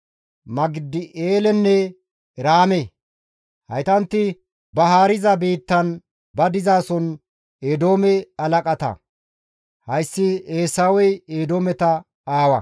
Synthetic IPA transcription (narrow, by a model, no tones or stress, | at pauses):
mɐɡɪd̪ːɪʔeːlɛnːɛ | ɾaːmɛ | hɐ̰jt̪ɐnt̪ːɪ | bɐɦaːɾɪzɐbiːt̪ːɐn | bɐd̪ɪzaːsɔn | eːd̪o̞ːmɛɐlɐkʼɐt̪ɐ̰ | hɐjsːɪeːsaːwɛjeːd̪oːmɛt̪ɐ | aːwɐ̰